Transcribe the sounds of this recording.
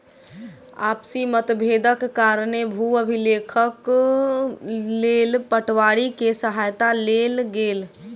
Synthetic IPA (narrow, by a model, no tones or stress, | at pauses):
a̰psimət̪bʱed̪əkːaɾnebʱuəbʱilekʰək | lelpəʈwaɽikesəɦajt̪alelɡel